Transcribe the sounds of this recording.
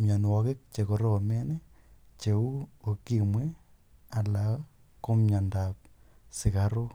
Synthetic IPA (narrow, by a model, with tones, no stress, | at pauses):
mja˨n˨wɔke˦k̚t͡ʃe˨ko˨ɾo˨me˦ne˦ | t͡ʃe˨u˦o˨ki˦mwe˦ | a˨la˨ | ko˦mɲa˨nda˨p̚ | sɪ˨ka˦ɾo˦